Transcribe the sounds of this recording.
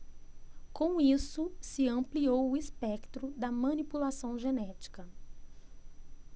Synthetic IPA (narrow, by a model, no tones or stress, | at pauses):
kõw̃isʊsɪɐ̃mpliowʊispɛkt̪ɾʊd̪ɐmɐ̃nipulasɐ̃w̃ʒenɛt͡ʃi̥kɐ